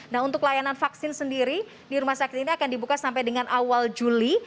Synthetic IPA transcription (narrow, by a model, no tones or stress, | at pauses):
naɦunt̪ʊklajananfaksɪnsəndiɾi | diɾumahsakɪ̥t̪iniakandibukasampajdəŋanʔawald͡ʒuli